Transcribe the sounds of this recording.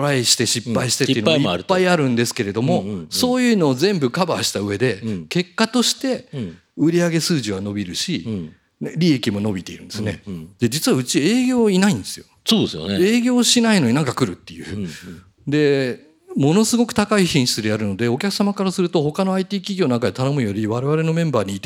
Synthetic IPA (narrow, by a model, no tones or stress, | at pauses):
oɾaiɕi̥t̪e̞ɕippːaiɕi̥t̪eteiɯ̟nːaiiaɾɯːaiaɾɯ̟̃nd̪e̞sɨ̥ke̞ɾe̞d̪o̞mo̞so̞ːjɯ̟ːno̞ːzẽ̞mbɯ̟kabaːɕi̥t̪aɯ̟e̞d̪e̞ke̞kːat̪o̞ɕi̥t̪e̞ | ɯ̟ɾʲiaɡe̞sɨːʑiβ̞ano̞bʲiɾɯ̟ɕi | ɾʲie̞kʲimo̞no̞bʲit̪e̞iɾɯ̟nd̪esɨnḛd̪̥e̞d͡ʑit͡sɨβaɯ̟t͡ɕie̞ːɡʲo̞ːinaĩnd̪e̞sɨjo̞ | sod̪esɨjo̰nee̞ːɡʲo̞ːɕinaino̞ɲinãŋkakɯ̟ɾɯ̟t̪ːe̞jɯ̰ː | d̪e̞ | mo̞no̞sɨɡo̞kɯ̟̥t̪akaiçĩɕi̥t͡sɨd̪e̞jaɾɯ̟no̞d̪e̞o̞kʲakɯ̥samakaɾasɨɾɯ̟t̪o̞ho̞kano̞ait̪iːkʲiɡʲo̞ːnãŋkad̪et̪ano̞mɯ̟jo̞ɾʲiβaɾe̞β̞aɾe̞no̞mẽ̞mbaːɲ̟iːt̪